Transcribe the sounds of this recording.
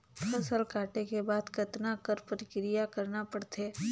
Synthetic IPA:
kʰɐsəlkaːʈekebaːd̪kɐt̪nakɐɾpɐɾɪkɾijakɐɾnapɐɽt̪ʰeː

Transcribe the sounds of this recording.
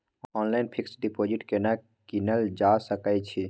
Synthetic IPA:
ɔːnlaːɪnpʰɪksɖipoːd͡ʒɪʈkena | kinəld͡ʒasəkajt͡ʃʰi

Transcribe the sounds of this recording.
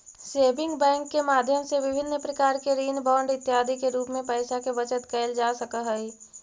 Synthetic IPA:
seːbɪ̃ŋɡbɛ̃ːŋkːemaːd̪ʱjəmseʋɪbʱɪnːpɾəkaːɾkeɾiːnbɔ̃ːɳɖɪt̪ːjaːd̪ʱikeɾuːpmẽpɛːsakeʋət͡ʃət̪kɛɪld͡ʒaːsəkəɦəi

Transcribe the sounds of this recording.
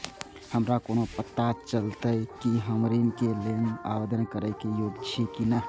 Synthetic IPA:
həmɾakoːnopət̪ːat͡ʃəlt̪əjkiɦəmɾinkelena̰ːwed̪ənkəɾəkejoːɡd͡ʒʰekinə

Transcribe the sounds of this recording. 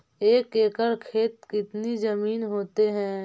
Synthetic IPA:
eːkeːkəɾkʰeːt̪̚kɪt̪nizɐmiːnɦoːt̪eɦɛ̃ː

